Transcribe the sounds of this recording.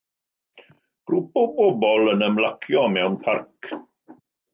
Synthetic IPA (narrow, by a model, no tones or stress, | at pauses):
ɡ̥rupɔbɔbɔlˠənəmlakʰjɔmɛwnpʰark